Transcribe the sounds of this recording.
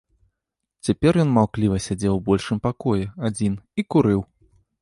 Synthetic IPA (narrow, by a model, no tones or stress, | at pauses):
t͡sʲapʲɛrjɔnmawklʲivɐsʲad͡zʲɛwbɔlʲʂɨmpakɔjɛad͡zʲinikuɾɨw